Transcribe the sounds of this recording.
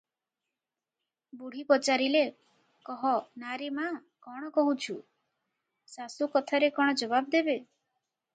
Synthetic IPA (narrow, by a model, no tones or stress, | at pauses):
buɽ̤ipɔt͡ʃaɾile | kɔɦɔnaɾema | kɔɽ̃ɔkɔɦut͡ʃʰu | sasukɔt̪ʰaɾekɔɽ̃ɔd͡ʒɔbabd̪ebe